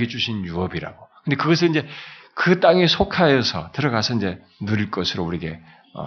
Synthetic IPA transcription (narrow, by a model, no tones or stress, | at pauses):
ɡit͡ɕ͈uɕʰinjuʌbiɾa̰ɡ̥okɯnd̥̪e̞kɯɡʌs̬ʰɯɭind͡ʑe̞kɯt͈aŋesʰokʰajʌsʰʌ̰tɯɾʌɡasʰʌind͡ʑe̞ | nuɾiɭk͈ʌsʰɯɾouɾiɡe | ʌ̰